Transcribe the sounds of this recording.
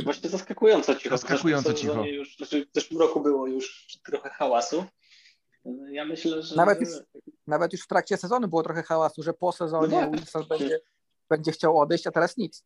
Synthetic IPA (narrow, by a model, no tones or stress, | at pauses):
vwaɕɲɛzaskakujɔnt̪sɔt͡ɕixɔskakujɔnsɔt͡ɕixɔɛjuʂnat͡ʃɛzɛʂwɨmɾɔkubɘwɔjuʂt̪ɾɔxɛxawasu | jamɘɕlɛʐnavɛt̪juʂnavɛt̪juʂft̪ɾak̚t͡ɕɛsɛzɔnubɘwɔt̪ɾɔxɛxawasuʐɛpɔsɛzɔɲɛusanbɛɲd͡ʑɛ | b̥ɛɲd͡ʑɛxt͡ɕawɔd̪ɛjɕt͡ɕat̪ɛɾasɲit̪s